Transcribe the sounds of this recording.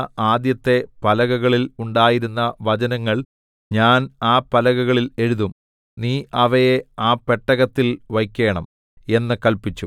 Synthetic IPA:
aːd̪jɐt̪ːe̞pɐlɐɣɐɣɐɭiluɳɖaːjiɾunːɐʋɐd͡ʑɐnɐŋːɐɭ | ɲaːnaːpɐlɐɣɐɣɐɭile̞ɻuðum | niːʔɐʋɐjeaːpeʈːɐɣɐt̪ːilʋɐjkʲːe̞ːɳɐm | e̞nːɨkɐlpit͡ɕːu

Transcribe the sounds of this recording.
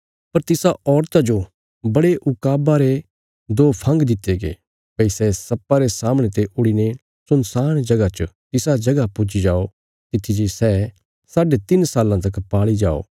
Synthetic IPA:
pɐɾt̪ɪsaɔːɾt̪ad͡ʒo | bɐɽeʔʊkaːbaɾe | d̪oːpʰɐ̃ŋɡd̪ɪt̪ːeɡḛ | pɐisɛsɐpːaɾesaːmɽ̃et̪eʔʊɽine | sʊnsaːɽ̃d͡ʒɐɡat͡ʃət̪ɪsad͡ʒɐɡapʊd͡ʒid͡ʒaːo | t̪ɪt̪ʰːid͡ʒisɛ | saːɖet̪ɪnsaːlːãt̪̬ɐkpaːɭid͡ʒa̰ːo̰ː

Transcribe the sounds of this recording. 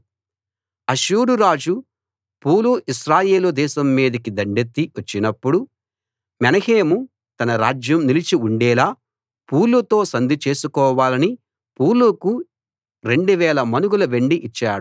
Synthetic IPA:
ɐʃuːɾuɾaːd͡ʒu | puːluʔiʃɾaːje̞ːlud̪ɛːʃɐmːiːd̪ɐkid̪ɐɳɖet̪ːiʋɐt͡ʃːinɐpːuɽu | mɛnɐheːmu | t̪ɐnɐɾaːd͡ʒjɐmnilit͡ʃiuɳɖɛːlaː | puːlːut̪o̞ːsɐnd̪ʱit͡ʃe̞ːsukɔːʋaːlɐni | puːluku | ɾe̞ɳɖuʋɛːlɐmɐnuɡulɐʋe̞ɳɖiʔit͡ʃːaːɽu

